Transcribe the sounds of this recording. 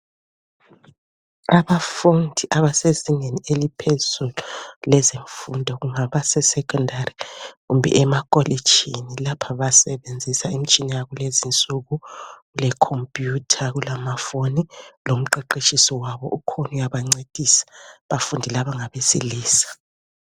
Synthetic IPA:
aβafundʱiʔaβasezinenielipʰezululɛzeɱfundʱɔɣuŋaβasɛsɛkʰʼɔndariɣumbʱɛ̰ʔɛmakʼɔli̥t͡ʃʰʼinilapʰaβasɛβend͡zʱisaim̩t͡ʃʼinijaɣulezint͡sʼuɣuɣulɛkʰompʼjutʰaɣulamafonilom̩ǃeǃit͡ʃʼisɔwaβɔʔukʰonujaβaŋ͡ǀed̥ʱisḁβafundʱilaβaŋaβesḭliːsḁ

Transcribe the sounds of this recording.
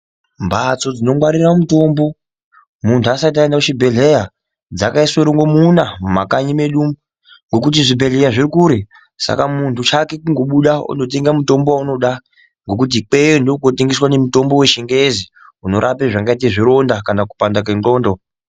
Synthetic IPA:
mbat͡so̞d͡zino̞mwaɾiramuto̞mbo̞ | muntʰuasait̬aendakut͡ʃibʱe̞ɮe̞ja | d͡zakaisweɾiŋɡo̞munammakaɲime̞ɗu | ŋɡo̞kut̬iʐibʱe̞ɮejaʐirikuɾe | sa̰kamuntʰut͡ʃake̞kuŋɡo̞ɓuɗaṵndo̞t̬e̞ŋɡamuto̞mbowauno̞ɗa | ŋɡo̞k̬ut̬ik͡pe̞jondokoteŋɡiswane̞muto̞mbo̞we̞ʃeŋɡezi | uno̞ɾʔapeʐaŋɡait̬eʐiɾo̞ndakanakupandakenɡo̞ːndo

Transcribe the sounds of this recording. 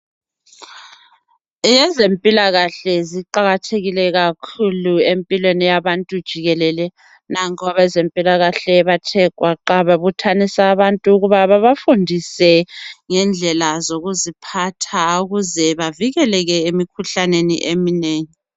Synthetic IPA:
jɛzempʼilaɣaɬɛziǃaɣatʰeɣilɛɣakʰuluempʼilwenijaβantʼud̥ʒ̥ʱiɣɛlɛlɛ | naŋkɔβazempʼilaɣaɬɛβatʰɛɡ̥ʱwaǃaβaβutʰanisaːβantʼuːɣuβaβaβafundʱisɛŋɛnd͡ɮʱɛlazoɣuzipʰatʰauɣuzɛβaviɣɛlɛɣɛemikʰuɬanenḭʔemineːŋi

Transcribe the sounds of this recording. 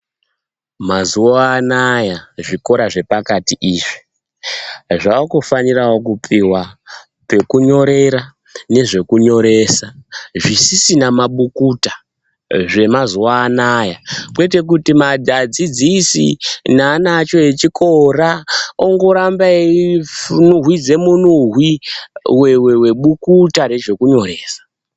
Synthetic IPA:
mazuoaːnajaʐiko̞ɾaʐe̞pakatiʔiːʐi̥ | ʐakofanirawo̞kupʰiwa | pe̞kuɲo̞ɾe̞ɾa | ne̞ʐe̞kuɲo̞ɾe̞ːsaʐisisinamaɓukutḁ | ʐe̞mazuwaːnajakwe̞te̞k̬utimadʱad͡zid͡zisḭnaːnat͡ʃo̞e̞t͡ʃikʰorao̞ŋɡo̞ɾambai | nuɦwid͡ze̞munuɦwiwewe̞we̞ɓukutane̞ʐe̞kuɲo̞ɾe̞ːsḁ

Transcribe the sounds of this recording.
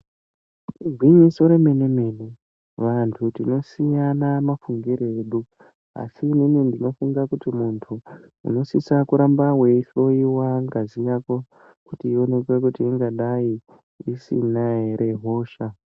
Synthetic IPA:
uɡʱwiɲiso̞ɾe̞me̞ne̞me̞ne | ʋantʰutino̞sijanamafuŋɡiɾeːɗu | a̰siːninindino̞fuŋɡakutimuntʰu | ṵno̞sisakuɾambawe̞ɬo̞jiwaŋɡazijako̞ | kutiːo̞ne̞kwekutiiŋɡaɗai | isḭnaeɾʔe̞ɦo̞ːʃa

